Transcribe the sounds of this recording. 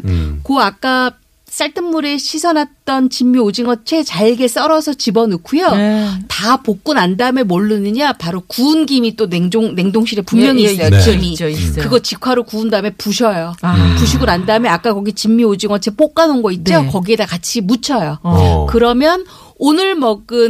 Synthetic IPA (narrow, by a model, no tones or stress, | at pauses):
koak͈a | s͈aɭtʰɯnmːuɾe̞ɕʰisʰʌnat̚t͈ʌnt͡ɕimːiod͡ʑiŋʌt͡ɕʰe̞t͡ɕaɭɡe̞s͈ʌɾʌsʰʌt͡ɕibʌnɯkʰujotapok̚k͈unandame̞moɭːɯnɯɲapaɾokunɡimit͈oneŋd͡ʑoŋne̞ŋdoŋɕʰiɾe̞pummjʌŋiːs͈ʌjot͡ɕimikɯɡʌt͡ɕikʰwaɾokuɯndame̞puɕʰʌjopuɕʰiɡonandamjeak͈akʌɡit͡ɕimːiod͡ʑiŋʌt͡ɕʰep͈ok͈anɯnɡʌit̚t͡ɕ͈okʌɡie̞dakat͡ɕʰimut͡ɕʰʌjokɯɾʌmjʌn | onɯɭmʌɡɯn